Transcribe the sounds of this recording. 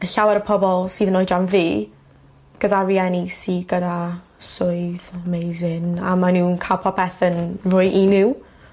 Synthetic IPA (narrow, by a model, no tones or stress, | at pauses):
əɬawɛɾəpʰɔbɔlˠsiːðənojdanviː | ɡ̥ədaviɛnisiːɡəda | sʊɨðmejzɪnamanunkʰalˠpʰɔpʰɛθənrʊjʔinɪw